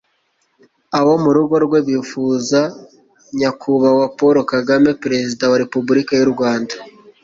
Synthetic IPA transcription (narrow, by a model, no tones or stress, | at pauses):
awo̞muɾuɡo̞ɾɡwe̞βiːfuːza | ɲakʰuβawapoɾo̞kaɡame̞peɾe̞zidawaɾe̞pubuɾikajuɾɡwaːnda